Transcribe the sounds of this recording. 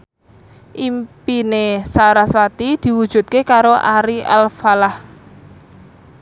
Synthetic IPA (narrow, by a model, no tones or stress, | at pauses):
ʔimpinesaɾaswat̪id̪̥i̤wud̥ʒ̥ṳt̪̚kekaɾoʔaɾia̰lfalah